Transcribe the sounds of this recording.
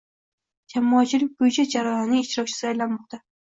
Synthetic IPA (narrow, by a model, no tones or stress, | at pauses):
d͡ʒamɒːt͡ʃʰɪlɪk̚ʲbojɪt͡ʃʰad͡ʒaɾajɒniɪʃt̪ɪɾɒk̚ʲt͡ʃʰɪ̥sɪajlanmɒq̚t̪ʰa